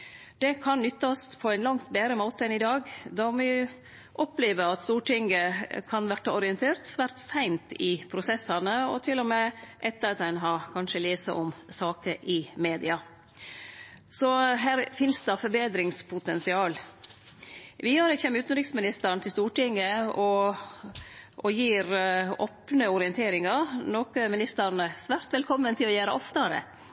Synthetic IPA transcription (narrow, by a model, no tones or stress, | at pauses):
d̪̥ɛkʰɑnnʏt̪ːɑspʰɔæɪnlɑŋt̪beːɾəmoːt̪əɛnɪd̪ɑːɡd̪ɔmɪ | ʔɔpleːʋəɑt̪st̪uːʈɪŋəkʰɑnʋæʈːəɔɾɪɛnt̪ʰeːɾt̪sʋæːɾt̪sæɪnt̪ɪpʰɾʊsɛsɑnəɔ̰t̪ʰɪlːɔmeːʔɛt̪ːəɾɑt̪ɛɪnɦɑkʰɑnʂəleːsə̰ʔɔmsɑːkəʔɪmeːd̪ɪɑ | sɔɦæːɾfɪnsd̪ɑfɔɾbeːd̪ɾɪŋspʰʊt̪ɛnsɪɑːl | ʋɪjɑːɾɛçɛmʉːt̪n̩ɾɪksmɪnɪst̪əɾnt̪ʰɪlst̪uːʈɪŋːəɔ | ʔɔjiːɾɔ̰ːpnəʊɾɪənt̪ʰeːɾɪŋɑnoːkəmɪnɪst̪əɾnəsʋæːɾt̪ʋɛlkʰɔmːənt̪ʰɪlɔjæːɾəʔɔft̪ɑɾə̰